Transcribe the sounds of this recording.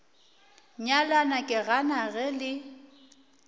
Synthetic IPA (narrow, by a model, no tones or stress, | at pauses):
ɲalanakʼɪɣanaɣɛlɪ